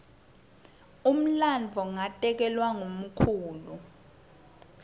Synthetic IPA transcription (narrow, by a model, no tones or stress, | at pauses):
um̩land͡vʱɔŋatʼɛk̬ɛlwaŋom̩kʰuːlu